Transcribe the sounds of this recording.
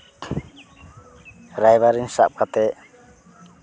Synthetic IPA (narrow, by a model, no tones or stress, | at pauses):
ɾajβaɾinsa̰p̚kat̪ɛ